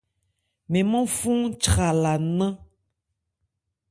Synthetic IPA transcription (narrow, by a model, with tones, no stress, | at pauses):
mẽ˨mɔ̃˦fũ˦t͡ʃɾa˨la˨nã˦